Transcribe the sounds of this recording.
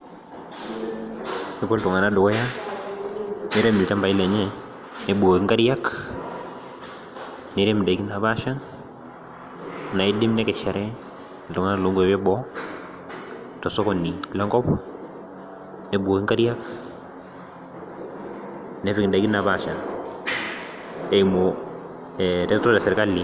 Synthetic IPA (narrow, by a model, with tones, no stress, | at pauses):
e˦bo˦lto˨ŋa˨na˦do˨kɔ˦ja˦ | ne˨˦ɾe˦mi˨lta˦mba˨i˦lɛ˨ɲɛ˦ | ne˨bu˨o˨ki˦ŋɡa˦ɾja˦k | ne˨˦ɾe˦mi˨da˨i˨ki˦na˨βa˦ʃa˦ŋ | na˨i˦di˦mne˦kɛ˨ʃa˨ɾɛ˦˨ | lo˨ŋa˦na˨lo˦ŋɡue˨βɛ˦bɔ | toso˦koni˨la˦ŋɡɔ˦p | ne˨bwo˨ki˦ŋka˦ɾjak | ne˦re˨ŋ˨da˨iki˦na˨βa˦˨ʃa˨ | e˨imo | ɾe˦to˦ɾese˨ɾka˦li